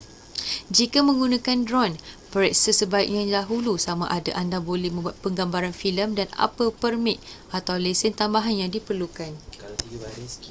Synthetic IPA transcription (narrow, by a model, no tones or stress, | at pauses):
d͡ʒikamə̃ŋɡunãkandɾɔnpəɾɛk̚səsəbaik̚ɲãdaɦulusamãʔada̰ʔandabolɛhmə̃mbuat̪̚pəŋɡambaɾanfiləmdana̰pəpərmit̪̚ | at̪awlesɪnt̪ambaɦanjaŋdipərlukan